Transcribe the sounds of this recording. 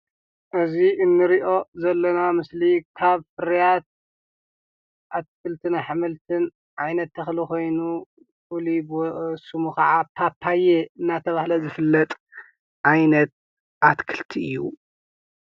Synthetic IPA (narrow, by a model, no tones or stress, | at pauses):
ʔɨziʔɨnːɨɾiʔo̞zɐlːɐnamɨslikʰaβfɨɾijat̪̚ | ʔat̪̚kʰɨlt̪ʰɨnaħɨmɨlt̪ʰɨn | ʕajnɐt̪ʰːɐxliko̞jnu | ʔulibsumukɐʕapʰapʰːajeɨnːat̪ʰɐβahlɐzɨfɨlːɐt̪ʼ | ʕajnɐt̪̚ | ʔat̪kʰɨ̥lt̪ʰiɨjːu